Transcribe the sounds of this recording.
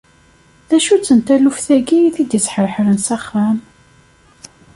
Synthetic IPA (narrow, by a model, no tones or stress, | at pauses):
ðæʃut͡sːənt̪ælufθæɡiθid̪jət͡sːħəɾħɾənsaχːæm